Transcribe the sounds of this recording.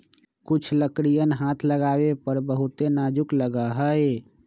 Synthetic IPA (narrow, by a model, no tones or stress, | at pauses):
kut͡ʃʰləkɾijənɦat̪ʰləɡabepəɾbəɦut̪enad͡ʒukləɡəɦəj